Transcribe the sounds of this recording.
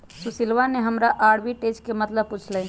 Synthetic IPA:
susilʋaneɦəmɾaʔaːɽbiʈed͡ʒkemət̪ləb̚put͡ʃʰlɛ̃

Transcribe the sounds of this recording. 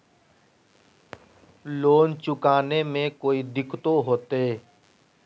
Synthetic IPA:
loːnt͡ʃʊkaːneːmẽːkoːiːd̪ɪkʰt̪oːɦoːt̪eeː

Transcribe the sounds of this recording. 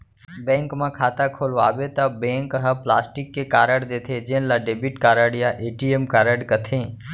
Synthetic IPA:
bẽːŋkmãkʰaːt̪akʰoːlʋaːʋet̪abẽːŋkəɦəpla̰ːsʈɪkːekaːɾəɽd̪eːt̪ʰed͡ʒẽːnlaɖeːbiʈkaːɾəɽjaʔeːʈiemkaːɾəɽkət̪ʰẽː

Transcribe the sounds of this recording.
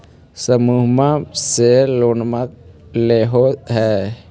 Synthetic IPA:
səmuɦmãseloːnmak̚leːɦoɦɛː

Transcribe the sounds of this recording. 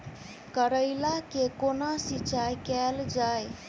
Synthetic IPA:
kəɾəɪlakekonasit͡ʃajkɛld͡ʒaj

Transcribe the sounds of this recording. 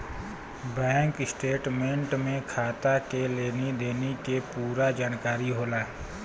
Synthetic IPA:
bɛ̃ːŋkɪsʈeːʈmẽɳʈmẽkʰaːt̪akeleːned̪eːnekepuːɾad͡ʒaːnkaːɾiɦoːlaː

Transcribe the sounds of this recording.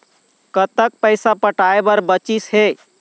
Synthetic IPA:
kət̪ək̚pəɪsapəʈaebəɾbət͡ʃisɦe

